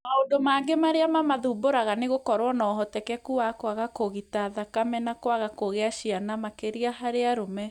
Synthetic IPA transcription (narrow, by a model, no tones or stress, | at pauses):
maodomaːŋɡemaɾeamamaðuboɾaɣaneɣokɔɾwɔnɔːɦɔtɛkɛkuakoaɣakoɣitaðakamɛnakowaɣakoɣeaʃianamakeɾiahaɾeaɾomɛ